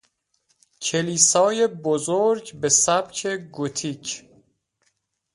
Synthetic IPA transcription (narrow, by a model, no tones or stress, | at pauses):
cʰe̞liːsɒːjebozoɾɟbe̞sæb̥cʰe̞ɡot̪ʰiːcʰ